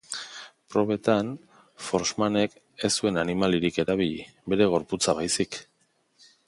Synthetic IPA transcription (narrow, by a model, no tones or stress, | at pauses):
pɾo̞β̞e̞t̪an | fo̞ɾsmane̞k | e̞sue̞nanimaliɾike̞ɾaβ̞iʎḭ | βe̞ɾe̞ɣ̞o̞ɾput͡saβajsik